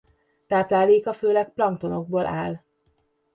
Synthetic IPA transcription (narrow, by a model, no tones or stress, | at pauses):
t̪aːplaːleːkɒføːlɛk̚plɒŋk̚t̪o̞no̞ɡ̚boːlʔa̰ːl